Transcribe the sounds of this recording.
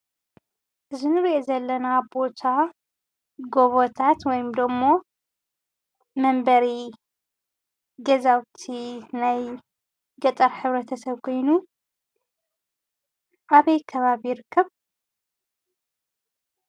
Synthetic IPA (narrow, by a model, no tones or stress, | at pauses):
ʔɨzɨnɨɾiʔezɐlːɐnabo̞t̪ʰa | ɡo̞βot̪ʰat̪wɔjɪmd̪omːo̞ | mɐmbɐɾi | ɡɐzawt̪ʰinaj | ɡɐt̪ʼɐɾħɨβɾɐt̪ʰɐsɐβkʰo̞jnu | ʔaβɐjkʰɐβaβijɪɾɨkːɐβ